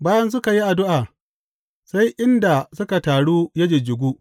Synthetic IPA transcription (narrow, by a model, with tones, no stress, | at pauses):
baː˦jɐ˦ns̬ʊ˦ka˨ji˦ʔa˨dʊ˦ʔaː˨ | sa˦jʔɪ˦nda˨sʊ˦ka˨taː˨ɽuː˦jɐ˦d͡ʒe˨d͡ʒʊ˨ɡʷuː˦